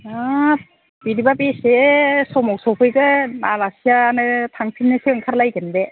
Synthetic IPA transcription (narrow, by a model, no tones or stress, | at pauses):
a | b̥iɾibabesesɔmɔwk̚sɔwpʰɯjzɯnaɾasijanɯtʰaŋpʰinːɯseŋkʰaɾlajɡɯnbe